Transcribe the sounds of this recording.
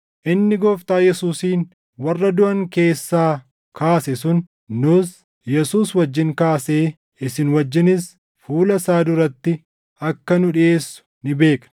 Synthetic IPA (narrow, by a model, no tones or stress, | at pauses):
ʔɪnːɪɡɔːft̪aːjɛsuːsiːn | wɐrːɐd̪ʊʔɐŋke̞ːsːaː | kʰaːsɛsʊn | nʊs | jɛsuːswɐd͡ʒːɪŋkaːse̞ː | ɪsɪnwɐd͡ʒːɪnɪs | fuːlɐsaːd̪ʊɾɐt̪ːɪ | ɐkːɐnʊᶑɪeːsːʊ̥nɪbe̞ːkn